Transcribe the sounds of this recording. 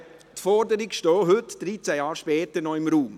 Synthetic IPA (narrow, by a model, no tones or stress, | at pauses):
tfɔɾdəɾiɡʃtɔːɦɵtd̥ɾit͡sæjɑːɾʃpɛːt̪əɾnɔɪmɾuːm